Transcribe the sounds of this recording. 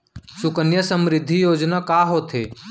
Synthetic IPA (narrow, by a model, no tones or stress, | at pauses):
sʊkənjəsə̃mɾɪd̪ʱːijoːd͡ʒnakaɦot̪ʰḛː